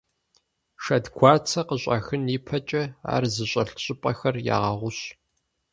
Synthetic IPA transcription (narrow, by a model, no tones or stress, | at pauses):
ʃɐdɡʷʰɑːrt͡sʰɐqəɕʷʼɐ̰xɨniːpʰɐt͡ʃʼɐa̰ːrzɨɕʼɐɬɕʼɪpʼɐxɐrja̰ːʁɐʁʷʊɕ